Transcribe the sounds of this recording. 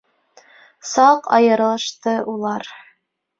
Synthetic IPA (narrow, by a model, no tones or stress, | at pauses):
sɑqɑ̰jɤ̆ɾlˠɤ̆ʃt̪ɤʔulˠɑɾ